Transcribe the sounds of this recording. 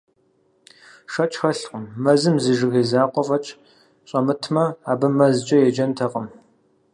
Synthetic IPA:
ʂɐt͡ʃʼxɐɬqʷʊmːɐzɨmzɨʒɨɣeːzaːqʷʼɔvɐt͡ʃʼ | ɕʼɐmɨtʰmɐaːbɨmɐzt͡ʃʼɐjɛd͡ʒɐntʰɐqəm

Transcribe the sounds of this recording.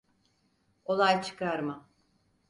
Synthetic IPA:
o̞lˠajt͡ʃʰɯ̥kaɾma

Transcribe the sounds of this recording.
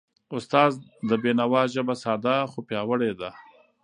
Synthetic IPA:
ʊst̪ɑːzd̪əbenawɑʒəbasɑːd̪axopjɑwəɽed̪a

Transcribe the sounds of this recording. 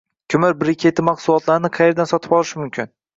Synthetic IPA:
kʲʰʊmɪɾbɪɾɪkʲʰe̞t̪ʰɪmɑqsʊlˠɒt̪laɾɪnɪqʰɑje̞ɾd̪ansɒt̪ʰɪ̥bɒlˠɪʃɪmʊmkʲʰɪn

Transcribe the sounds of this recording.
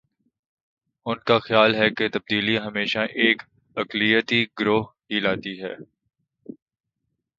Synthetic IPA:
ʊnkaxjaːlɦɛket̪ɐb̚d̪iːliɦɐmeːʃaʔeːk | ɐklijət̪iɡɾoːɦɦilaːt̪iɦɛ̰ː

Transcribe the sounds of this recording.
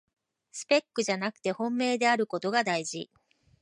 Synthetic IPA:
sɨ̥pe̞kːɯ̟ʑanakɯ̟̥t̪e̞hõ̞mːe̞ːd̪e̞aɾɯ̟ko̞t̪o̞ɡad̪aiʑi

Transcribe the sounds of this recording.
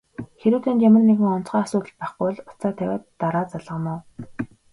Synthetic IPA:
xeɾuːt̪ʰeːnt͡ɕæmʲɘ̆rneɣɘ̆ŋɔnt͡sχaːasʊːt̪ə̆ɮpæχɡʊjɮʊt͡saːt̪ʰæwʲæ̰ːt̪ːaɾaːt͡saɮʁə̆nʊː

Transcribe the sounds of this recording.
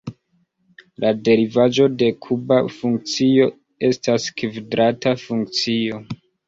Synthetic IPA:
lʔade̞ɾivad͡ʒo̞de̞kʰubafuŋk̚t͡sio̞ | e̞staskvidɾatafuŋk̚t͡sio̞

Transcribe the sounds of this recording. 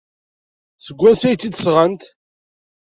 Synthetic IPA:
θəɡʷːænsæj̪ːid̪sʁənt̪

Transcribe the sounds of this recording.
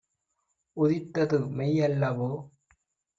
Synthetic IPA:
ʊðɪt̪ːɐðɯmɛjɐlːɐʋoː

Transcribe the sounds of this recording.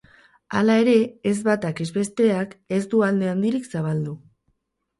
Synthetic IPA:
alae̞ɾe̞ːzβat̪akezβe̞st̪e̞ake̞zd̪uald̪e̞and̪iɾiksaβ̞ald̪u

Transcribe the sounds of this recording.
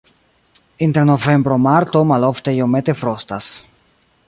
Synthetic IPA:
inteɾnove̞mbɾomaɾto̞malo̞fte̞jome̞te̞fɾostas

